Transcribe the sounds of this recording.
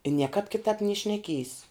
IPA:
ɪ ˈnʲiɛkɑːp kʲɪˈtɑːp nʲiɛ ʃʲnʲɛˈkʲiɛjs

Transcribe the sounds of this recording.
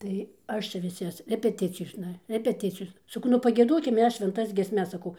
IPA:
tɐɪ ˈɐʃ t͡ʃʲɛ ʋʲɪˈsɐs rʲɛpʲɛˈtʲɪt͡sʲɪjoːsnɐ rʲɛpʲɛˈtʲɪt͡sʲɪjoːsnɐ sɐˈkɐʊ nʊ pɐɡʲiɛˈdoːkʲɪm ˈmʲɛs ʃʲʋʲɛnˈtɐs ɡʲiɛsʲˈmʲɛs sɐˈkɐʊ

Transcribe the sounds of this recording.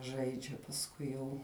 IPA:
ˈʒɐɪd͡ʒʲɛ pɐsˈkʊɪ jɛʊ

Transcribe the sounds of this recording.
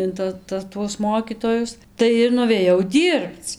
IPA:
ɪn ˈtɐ ˈtɐ tuɔs ˈmoːkʲiːtoːjʊs ˈtɐɪ ɪr nʊʋʲeːˈjɛʊ ˈdʲiːrpt͡s

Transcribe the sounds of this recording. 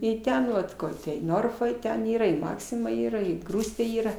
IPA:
ɪ ˈtʲɛn ʋɐt ˈkoːr tʲɛ ɪ ˈnoːrfɐ ɪ tʲɛn ˈiːrɐ ɪ ˈmɑːksʲɪmɐ ˈiːrɐ ɪ ɡruːsʲtʲeː ˈiːrɐ

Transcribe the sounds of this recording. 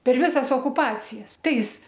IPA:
pʲɛr ˈʋʲɪsɐs oːkʊˈpɑːt͡sʲɪjɛs ˈtɐɪs

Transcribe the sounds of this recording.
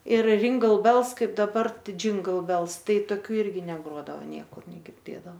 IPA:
ɪr rʲɪŋɡɐlˠ bʲɛlˠs ˈkɐɪp dɐˈbɐr ˈtɐɪ d͡ʒʲɪŋɡɐlˠ bʲɛlˠs ˈtɐɪ toːˈkʲuː ˈɪrʲɡʲɪ nʲɛˈɡroːdɐʋoː ˈnʲiɛkʊr nʲɛɡʲɪrʲˈdʲeːdɐw

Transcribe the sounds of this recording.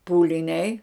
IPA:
puːlʲɪˈnʲɛɪ

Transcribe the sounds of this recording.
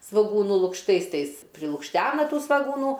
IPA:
sʋoːˈɡuːnuː lˠʊkʃˈtɐɪs ˈtɐɪs pʲrʲɪlˠʊkʃʲˈtʲæːnɐ ˈtuː sʋɐɡuːˈnuː

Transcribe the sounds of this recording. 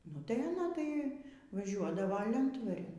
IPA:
nʊ ˈtɐɪ ɐˈnɐ tɐɪ ʋɐˈʒʲuɔdɐʋoː ˈlʲɛntʋɐrʲɪn

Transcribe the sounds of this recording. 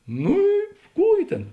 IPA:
ˈnuː ɪ ˈkuː ɪ ˈtʲeːn

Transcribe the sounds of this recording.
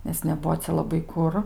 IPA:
nʲɛs nʲɛˈbuɔ ˈt͡sʲɛ lˠɐˈbɐɪ ˈkʊr

